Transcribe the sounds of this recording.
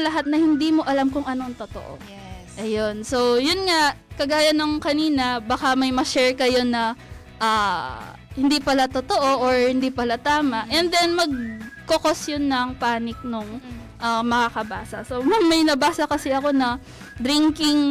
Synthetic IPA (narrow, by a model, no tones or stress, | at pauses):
lɐɦat̪̚nɐhɪnd̪iːmo̞ʔɐlamkʊŋʔɐno̞ŋt̪ot̪o̰ʔo̰ | ʔɐjo̞nso̞wjʊnŋakɐɡaːjɐnɐŋkɐniːnɐbɐkamɐjmɐʃɛɹkɐjo̞nɐ | ʔaː | hɪnd̪ipɐlat̪ot̪oʔo̞ʔoɹhɪnd̪ipɐlat̪aːmɐʔʔɛnd̪ɛnmɐɡ̚kokosjʊnːɐŋpaːnɪk̚nʊŋ | ʔɐmɐkakɐbaːsɐsomɐmɐjnɐbaːsɐkɐsɛʔɐko̞nɐ | d̪ɾiŋkɪŋ